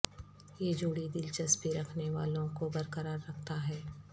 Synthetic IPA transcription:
jed͡ʒoːɽid̪ɪlt͡ʃəsbeɾɐkʰneʋaːlõkobɐɾkəɾaːɾːɐk̚ʰt̪aɦɛː

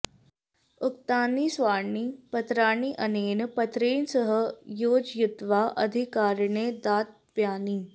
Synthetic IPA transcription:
ukt̪aːnisʋaːɳipət̪ɾaːɳiʔəneːnəpɐt̪ɾeːnsəɦəjoːd͡ʒjud̪ʋaʔəd̪ʱikaːɾɳed̪aːt̪̚ | ʋjaːni

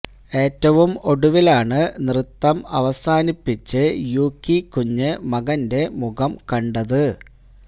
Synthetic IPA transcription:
e̞ːtːɐʋumo̞ɽuʋilaːɳɨnrɨt̪ːɐmɐ̰ʋɐsaːnipːit͡ɕːɨjuːkːikːuɲːɨmɐɣɐnde̞muɣɐmkɐɳɖɐðɨ

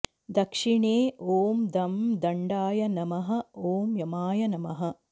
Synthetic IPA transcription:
d̪ɐkʂiɳeːoːmd̪ɐmd̪ɐɳɖaːjɐnɐmɐɦɐ̆oːmjɐmaːjɐnɐmɐɦɐ̆

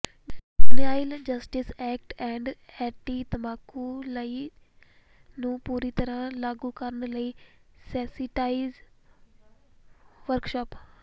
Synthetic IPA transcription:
unaːɪld͡ʒɐsʈɪsɛːk̚ʈɛ̃ːɳɖɛːʈit̪ɐbaːkːulɐi | nũːpuːɾit̪ɐɾə̃laːɡukɐɾəɳləisɛːsɪʈaːiz | ʋəɾkʃɔːp

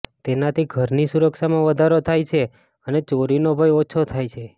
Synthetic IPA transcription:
t̪enat̪ʰiɡʱəɾnisuɾəkʃamãʋəd̪ʱaɾot̪ʰajt͡ʃʰe | ənet͡ʃoɾinobʱəjot͡ʃʰot̪ʰajt͡ʃʰe

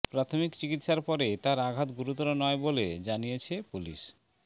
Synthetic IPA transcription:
pɾat̪ʰomikt͡ɕikit̪ʃaɾpɔɾet̪aɾaɡʱat̪ɡuɾut̪ɔɾonɔebolḛd͡ʑanijet͡ɕʰepulḭʃ

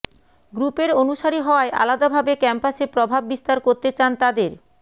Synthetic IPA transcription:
ɡɾupeɾonuʃaɾiɦɔoaeʔa̰lad̪abʱabekɛmpasepɾobʱabːist̪aɾkoɾt̪et͡ɕant̪ad̪eɾ

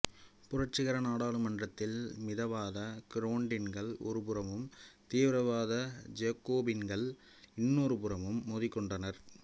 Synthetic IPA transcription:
pʊrɐʈt͡ʃːɪɣɐɾɐnaːɽaːɭɯmɐɳdrɐt̪ːɪlmɪðɐʋaːðɐkɪɾoːɳɖɪnɡɐɭɔ̰ɾɯp̬ɯɾɐmɯmt̪iːʋɪɾɐʋaːðɐd͡ʒeːkːoːbɪnɡɐɭ | ɪnːoːɾɯpɯɾɐmɯmːoːðɪkːɔɳɖɐnɐɾ

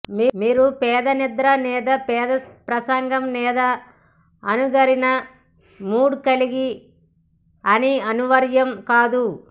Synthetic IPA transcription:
miːmiːɾupɛːd̪ɐnid̪ɾɐnɛːd̪ɐpɛːd̪ɐpɾɐsɐŋɡɐmnɛːd̪ɐː | nuɡɐɾinɐ | muːɽukɐliɡi | ɐniɐnuʋɐɾjɐmkaːd̪u

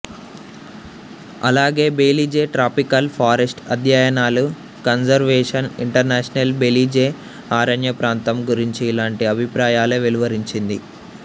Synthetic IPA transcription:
ɐ̰laːɡe̞ːbeːlid͡ʒeːʈɾaːpikɐlpʰaːɾesʈɐd̪ʱjajɐnaːlu | kɐnsɐɾʋɛːʂɐniɳʈɐɾneːʂɐnɐlbeːlid͡ʒeː | aːɾɐɳjɐpɾaːnt̪ɐmɡuɾiɲt͡ʃiːlaːɳʈiɐbʱipɾaːjaːluʋiluʋɐɾiɲt͡ʃind̪i

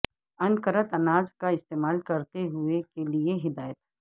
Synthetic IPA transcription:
ɐnkəɾət̪ɐnaːzkaɪst̪eːmaːlkɐɾt̪eɦʊekelieɦɪd̪aːjət̪

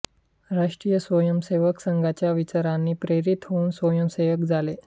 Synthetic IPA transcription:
ɾaʂʈɾijəsʋəjəmseʋəksəŋɡʱat͡ɕjaʋit͡ɕaɾanːiːpɾeɾit̪ɦouːnsʋəjəmseʋəkd͡zʱale

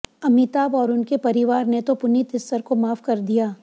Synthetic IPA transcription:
ɐmɪt̪aːbɔːɾʊnkepɐɾɪʋaːɾnet̪opʊnit̪ɪst̪əɾkomaːfkɐɾd̪ijaː

